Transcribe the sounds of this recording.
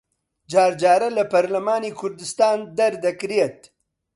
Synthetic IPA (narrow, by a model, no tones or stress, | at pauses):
d͡ʒɑːɾd͡ʒɑːɾalapaɾlamɑːnikʰʊɾd̪ɪst̪ɑːnd̪ɐɾd̪ɐkɾijat̪̚